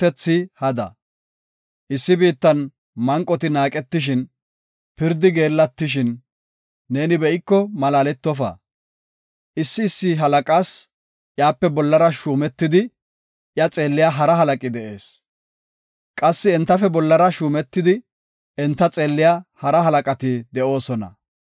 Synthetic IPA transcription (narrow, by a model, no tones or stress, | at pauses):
t̪ːɛt͡sːɪhɐd̪ɐ̰ | ʔɪsːɪbiːt̪ːɐn | mɐŋkʼːɔt̪ɪnaːkʼɛt̪ːɪʃ̬ɪn | pɪɾd̪ɪɡe̞ːlːɐt̪ːɪʃ̬ɪnː | e̞ːnɪbɛʔɪkːɔmɐlaːlɛt̪ːɔfɐ̰ | ʔɪsːɪːsːɪɦɐlɐkʼaːs | ʔjaːpːɛbɔlːɐɾɐʃuːmɛt̪ːɪd̪ɪ | ʔjɐt͡sʼe̞ːlːɪjaɦɐɾɐɦɐlɐkʼɪd̪ɛʔe̞ːs | kʼɐsːɪɛnt̪ːɐfɛbɔlːɐɾɐʃuːmɛt̪ːɪd̪ɪ | ɛnt̪ːɐt͡sʼe̞ːlːɪjahɐɾɐɦɐlɐkʼɐt̪ɪd̪ɛʔo̞ːsɔnɐ̰